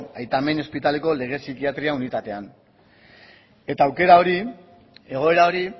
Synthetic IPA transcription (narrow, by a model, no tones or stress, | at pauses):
ajt̪ame̞no̞spit̪ale̞ko̞le̞ɣ̞e̞sikiat̪ɾiaunit̪at̪e̞an | e̞t̪aːwke̞ɾao̞ɾi | e̞ɣ̞o̞e̞ɾao̞ɾi